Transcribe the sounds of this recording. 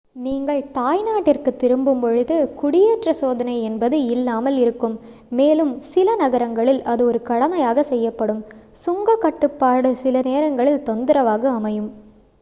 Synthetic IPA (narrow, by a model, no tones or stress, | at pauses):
niːŋɡɐɭt̪aːjnaːʈːɪrkɯt̪ːɪɾɯmbɯmpɔɻɯðɯkʊɽɪjeːʈrɐsoːðɐnɐɪɛnbɐðɯɪlːaːmɐlɪɾɯkːɯmː | eːlɯmsɪlɐnɐɣɐɾɐŋɡɐɭɪlʔɐðɯɔɾɯkɐɽɐmɐjaːɣɐsɛjːɐpːɐɽɯm | sʊŋɡɐkːɐʈːɯpːaːɽɯsɪlɐneːɾɐŋɡɐɭɪlt̪ɔnd̪ɯɾɐʋaːɣɐɐmɐjɯm